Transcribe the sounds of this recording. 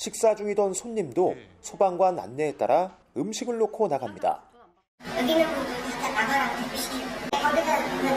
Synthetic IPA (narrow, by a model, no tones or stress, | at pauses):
ɕʰik̚s͈ad͡ʑuŋidʌnsʰoɲːimdosʰobaŋɡwana̰nːe̞ːt͈a̰ɾa | ɯmɕʰiɡɯɭːokʰonaɡamɲida̰ | jʌɡinɯmodut͡ɕat͈ʰanaɡaɾatʰepiɕkaɡesʰaonɯ